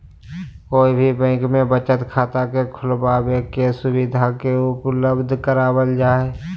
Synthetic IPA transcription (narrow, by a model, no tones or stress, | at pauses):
koːibʱibɛ̃ːŋkmẽbət͡ʃət̪kʰaːt̪akekʰʊlbaːbekesʊbɪd̪ʱakeʊpləbd̪ʱkəɾaːbəld͡ʒaːe